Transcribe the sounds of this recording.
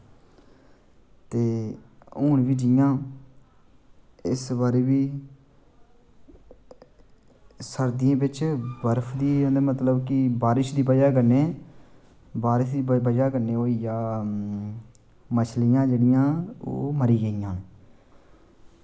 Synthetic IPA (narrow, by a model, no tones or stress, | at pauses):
t̪eːoːɳʋiːd͡ʒɪjãː | ɪsbaːɾeːbiː | səɾd̪ɪjẽːbɪt͡ʃbəɾpʰd̪iːɛ̃ːd̪ːmət̪ləbkɪbaːɾɪʃd̪iːbəd͡ʒaːkəneː | baːɾɪʃd̪iːbəd͡ʒaːkəneːoːijaː | mət͡ʃʰlɪjãːd͡ʒeːɽɪjãːo̰ːməɾiːɡəijãːne